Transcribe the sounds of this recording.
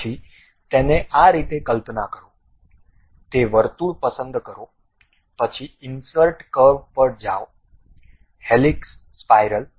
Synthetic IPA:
i | t̪eneʔaɾit̪ekəlp̪nakəɾo | t̪eʋəɾt̪uɭpəsənd̪kəɾo | pət͡ʃʰiɪnsəɾʈkəʋpəɾd͡ʒa̰o | heliksːpajɾəl

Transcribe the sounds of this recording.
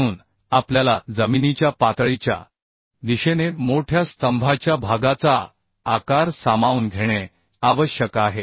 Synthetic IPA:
uːn | apljalad͡zəminit͡ɕjapat̪ɭit͡ɕja̰ | d̪iɕenemoʈʰjast̪əmbʱat͡ɕjabʱaɡat͡saː | kaɾsamauːnɡʱeɽ̃e | aʋəɕjəkaɦe

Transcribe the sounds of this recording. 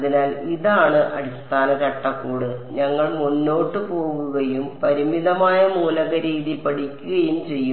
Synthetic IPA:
ðinaːliðaːɳɨʔɐ̰ɽist̪aːnɐkɐʈːɐkːuːɽɨɲɐŋːɐɭmunːo̞ːʈːɨpo̞ːɣuɣɐjumpɐɾimiðɐmaːjɐmuːlɐɣɐɾiːðilpɐɽikʲːuɣɐjumt͡ɕe̞jːu

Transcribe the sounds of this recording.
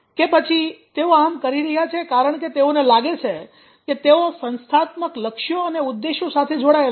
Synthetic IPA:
kepət͡ʃʰit̪eoamkəɾiɾəɦjat͡ʃʰekaɾəɳket̪eonelaɡet͡ʃʰe | ket̪eosənst̪ʰat̪məkləkʃjoəneud̪ːeʃjosat̪ʰed͡ʒoɽael

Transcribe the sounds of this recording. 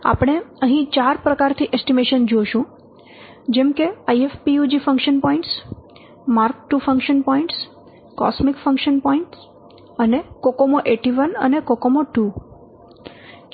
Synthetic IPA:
a̰pɽ̃eəɦĩt͡ʃaɾpɾəkaɾt̪ʰiʔesʈimeʃənd͡ʒoʃũ | d͡ʒɛmkeajefpiud͡ʒifə̃ŋkʃənpɔĩɳʈs | maɾk̚ʈːufə̃ŋkʃənpɔĩɳʈs | kɔ̰smikfə̃ŋkʃənpɔĩɳʈs | ənekokomoʔeʈiʋənənekokomoʈu

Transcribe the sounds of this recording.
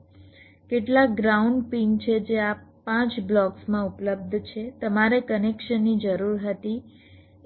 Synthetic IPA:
keʈlak̚ɡɾauɳɖpiŋt͡ʃʰed͡ʒeapãt͡ʃblɔksmãupləb̚d̪ʱt͡ʃʰet̪əmaɾekənekʃənːid͡ʒəɾuɾɦət̪i

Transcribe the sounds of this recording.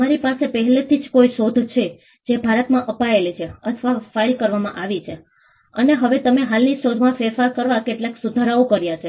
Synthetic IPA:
əmaɾipasepəɦɛlet̪ʰid͡ʒkoiʃod̪ʱt͡ʃʰe | d͡ʒebʱaɾət̪mãʔəpaelet͡ʃʰeət̪ʰʋafailkəɾʋamã̰ʔaʋit͡ʃʰe | əneɦəʋet̪əmeɦalniʃod̪ʱmãfeɾfaɾkəɾʋakeʈlaksud̪ʱaɾaokəɾjat͡ʃʰe

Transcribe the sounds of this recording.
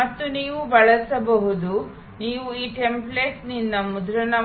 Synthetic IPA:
ɐt̪ːuniːʋubɐɭɐsɐbɐɦud̪u | niːʋuiːʈe̞mpleːʈnind̪ɐmud̪ɾɐnɐ

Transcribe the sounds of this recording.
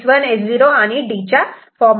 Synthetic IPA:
sʋənesd͡ziɾoañiɖit͡ɕa | fɔm

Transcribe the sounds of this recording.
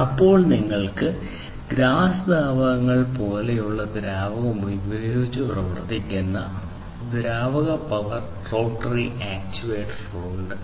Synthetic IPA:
ɐpːo̞ːɭniŋːɐɭkɨ | ɡɾaːsɐd̪ʱaːʋɐɣɐŋːɐɭpo̞ːle̞juɭːɐd̪iɾaːbɐɣɐmujbɐɾoit͡ɕːɨpurɐʋɐ̰rt̪ːikʲːunːɐ | d̪iɾaːʋɐɣɐpɐʋɐr | ro̞ːʈːɐriʔaːk̚t͡ɕuʋeːʈroːɳɖ

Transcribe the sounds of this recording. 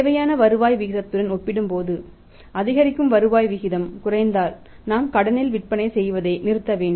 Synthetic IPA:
eːʋɐjaːnɐʋɐɾɯʋaːjʋɪɣɪðɐt̪ːɯɽɐnɔpːɪɽɯmpoːðɯ | ɐðɪɣɐɾɪkːɯmʋɐɾɯʋaːjʋɪɣɪðɐmkʊrɐɪnd̪aːl | naːmkɐɽɐnɪlʋɪʈ̚pɐɳɐɪsɛjʋɐðɐɪnɪɾɯt̪ːɐʋeːɳɖɯ

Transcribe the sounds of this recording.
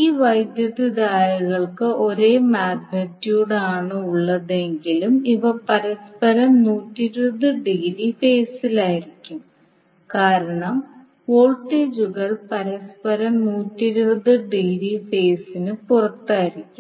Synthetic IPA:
iːʋɐjd̪jɐðɨd̪aːɾɐɣɐɭkɨo̞ɾe̞ːmaːɡnɐtːjuːɽaːɳɨuɭːɐðe̞ŋɡilumiʋɐpɐɾɐspɐɾɐmnuːtːiɾubɐðɨɖiɣɾife̞ːsilaːjiɾikʲːum | kaːɾɐɳɐm | oːɭʈːeːd͡ʑuɣɐɭpɐɾɐspɐɾɐmnuːtːiɾuʋɐðɨɖiɣɾife̞ːsinɨpurɐt̪ːaːjiɾikʲːum

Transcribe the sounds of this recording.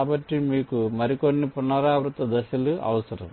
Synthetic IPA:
bɐʈːimiːkumɐɾikonːipunːɐɾaːʋɾut̪ːɐd̪ɐʃɐluʔɐ̰ʋɐsɐɾɐ̰m

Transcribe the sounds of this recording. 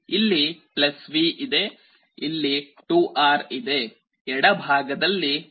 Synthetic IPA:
ilːiplɐsʋiʔid̪e̞ | ilːi | ʈuːʔaːɾid̪e̞ | ɛɽɐbʱaːɡɐd̪ɐlːi

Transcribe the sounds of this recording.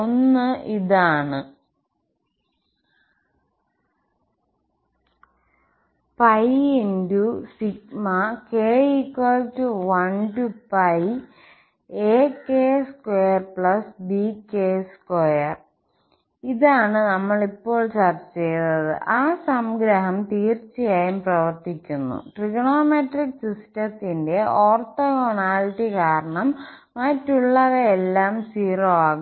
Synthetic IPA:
onːɨʔiðaːɳɨ | pɐjindusikmɐkeːikːoːltuʋɐnʈupɐj | eːkeːskojɐrpɭɐsbikːeːskojɐr | iðaːɳɨnɐmːɐɭipːo̞ːɭt͡ɕɐrt͡ɕːt͡ɕejunːɐðɨ̰ʔaːsɐmɡɾɐɦɐmt̪iːrt͡ɕːijaːjumprɐʋɐrt̪ikʲːunːṵʈriɡɳoːmeʈriksistɐt̪ːinde̞ʔoːrt̪oɣonaːliʈːikaːɾɐɳɐmː | ɐtːuɭːɐðɐelːaːmsiːroːaːɣu

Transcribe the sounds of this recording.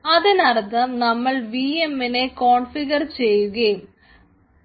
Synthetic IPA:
ɐðinɐrt̪ɐmnɐmːɐɭʋiːemːineko̞ːɳfiɣɐrt͡ɕe̞jːuɣɐjm

